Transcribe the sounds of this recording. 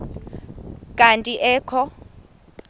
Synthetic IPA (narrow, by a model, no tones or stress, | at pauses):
kʼantʼiʔɛːkʰɔ